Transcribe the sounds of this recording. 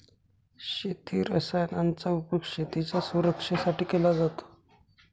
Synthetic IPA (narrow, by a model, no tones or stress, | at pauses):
ɕet̪ʰiːɾəsajnant͡saupəkɕet̪it͡ɕjasuɾəkʂasaʈiːkelad͡zat̪o̥